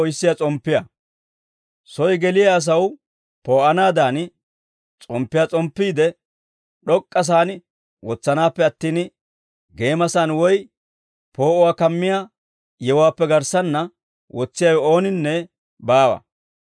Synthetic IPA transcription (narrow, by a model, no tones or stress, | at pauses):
ɔjsːɪjɐt͡sʼɔmpːɪjɐ | sɔjɡɛlɪjaːs̬ɐw | po̞ːʔɐnaːd̪aːn | t͡sʼɔmpːɪjaːt͡sʼɔmpːiːd̪ɛ | ɗɔkʼːɐs̬aːn | wɔt͡sːɐnaːpːɛɐt̪ːiːn | ɡe̞ːmɐsanwɔj | po̞ːʔɔwaːkɐmːɪja | jɛwaːpːɛɡɐɾsɐnːɐ | wʔɔt͡sːɪjawɔo̞ːnɪnːɛ | baːwɐ̰